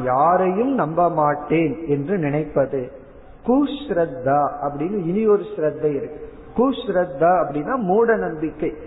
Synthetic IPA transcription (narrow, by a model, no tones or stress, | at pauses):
jaːɾɐjɯmnɐmbɐmaːʈːeːnɛndrɯnɪnɐɪpːɐðɯ | kuːsɾɐd̪ːaːɐpːɐɽɪnːɯɪnɪjoːɾɯsɾɐd̪ːɐɪɾɯkː | kuːsɾɐd̪ːaːɐpːɐɽɪnːaːmuːɽɐnɐmbɪkːɐɪ